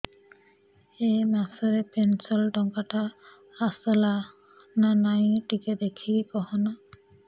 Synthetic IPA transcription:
ejmasɔɾɛpensɔlʈɔŋkaʈaː | sɔla | nanajʈiked̪ekʰikɔɦɔna

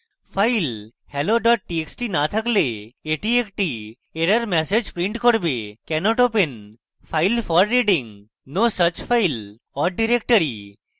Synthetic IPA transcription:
fʰajl | hɛloɖɔʈ̚ʈieksʈinat̪ʰakleeʈiekʈi | eɾaɾmɛsed͡ʑpɾiɳʈkoɾbekɛnɔʈopen | pʰajlfɔɾːeɖiŋ | nosət͡ʃfʰajl | ɔɾɖiɾek̚ʈəɾi

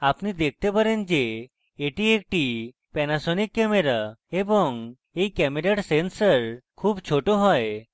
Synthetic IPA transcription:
apnid̪ek̚ʰt̪epaɾend͡ʑe | eʈiek̚ʈi | pɛnasonikːɛmeɾaeboŋ | ejkɛmeɾeʈsensəɾkʰubt͡ʃʰoʈoɦɔe

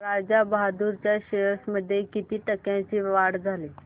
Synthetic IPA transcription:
ɾad͡ʑabəɦad̪uɾt͡ɕjaɕeəsməd̪ʱːjekit̪iːʈəkjãt͡ɕiʋaɽd͡zʱaliː

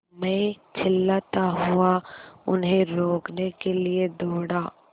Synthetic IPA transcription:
mɛ̃ː | t͡ʃʰɪlːat̪aɦʊaʊ̰nɦẽɾoːknekelied̪oːɽaː

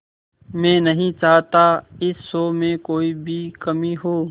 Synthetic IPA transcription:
mẽːnəɦĩt͡ʃaːɦt̪aːɪsːoːmẽːkoːiːbʱiːkəmiːɦoː

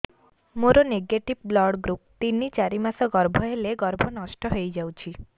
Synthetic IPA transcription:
moɾoneɡeʈib̚blɔɽɡɾup̚t̪inːit͡ʃaɾimasɔɡɔɾbʱɔɦeleɡɔɾbʱɔnɔsʈɔɦojd͡ʒawt͡ʃʰi

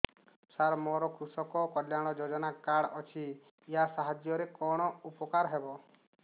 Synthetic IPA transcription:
saɾmɔɾɔkʰusɔkɔkɔljaɽ̃ɔd͡ʒod͡ʒɔnakaɽɔt͡ʃʰiː | ɦasaɦad͡ʒjɔɾekɔɽ̃ɔupɔkaɾɦebɔ

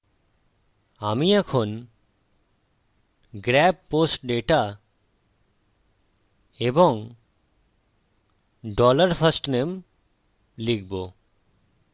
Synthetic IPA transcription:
amiɛkʰon | ɡɾɛb̚posʈɖeʈa | ebɔŋ | ɖɔləɾpʰəsʈnem | lik̚ʰbo

